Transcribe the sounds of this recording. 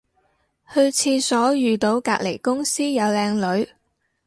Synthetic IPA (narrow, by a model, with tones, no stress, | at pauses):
hɵ˧ɥt͡sʰiː˧sɔː˨˥jyː˨t̪o˨˧wkaː˧k̚le˨˩jkʊ˥ŋsiː˥jɐ˨˧wlɛː˧ŋlɵ˨˧ɥ